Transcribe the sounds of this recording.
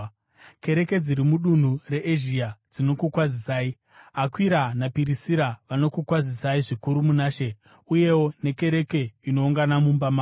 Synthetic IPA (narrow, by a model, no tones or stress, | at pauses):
ke̞ɾe̞ke̞d͡ziɾimuɗun̤ure̞ʔeʒiad͡zino̞kukwazisaːi | akwiɾanapiɾisiɾaʋano̞kukwazisaiʐikuɾumunaːʃe̞ | uje̞wo̞ne̞ke̞ɾe̞ke̞ino̞uŋɡanamumbama